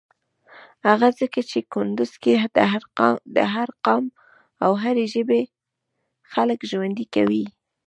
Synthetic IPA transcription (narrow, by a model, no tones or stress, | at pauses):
haɣazəkat͡ʃekʊnd̪ʊz̥keɾd̪ə̰ɦaɾqɑm | awɦaɾeʒəbe | xaləkʒwand̪ikawi